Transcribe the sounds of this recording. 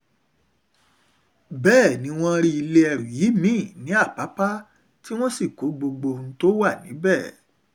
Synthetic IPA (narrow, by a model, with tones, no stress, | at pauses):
bɛː˦˨nĩ˨˦w̃ɔ̃˦ɾi˦i˧le˧˦ɛ˧ɾu˨ji˨˦mĩ˦˨nĩ˨˦a˦˨pa˨˦pa˦ | ti˦w̃ɔ̃˦si˦˨ko˨˦ɡ͡bo˧ɡ͡bo˧n̩˦to˦wa˦˨nĩ˨˦bɛ˦˨